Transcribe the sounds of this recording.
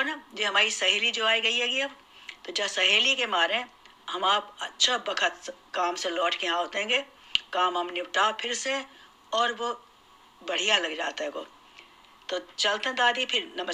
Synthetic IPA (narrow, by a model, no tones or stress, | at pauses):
onad͡ʒeɦɐmaːɾisɐɦeːlid͡ʒoːaːiɡɐiɦɛːɡiɐb | t̪od͡ʒɐsɐɦeːlikemaːɾeɛ̃ | hɐmaːpɐtːʃʰabɐkʰət̪kaːmselɔːʈʰkeɦãɦoːt̪eɦɛ̃ːɡe | kaːmɐmniʈapʰɪɾse | ɔːɾʋo | bɐɽ̤ijalɐɡd͡ʒa̰ːt̪aɛ̃ɡo̰ː | t̪ot͡ʃɐlt̪eɦɛ̃d̪aːd̪ʱipʰɪɾnɐmə